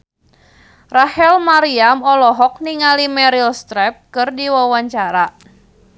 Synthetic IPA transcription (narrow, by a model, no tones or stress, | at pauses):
rahɛlmaɾiamɔlɔɦɔk̚niŋalimɛɾilst̪ɾɛp̚kɨrdiwawaɲt͡ʃaɾa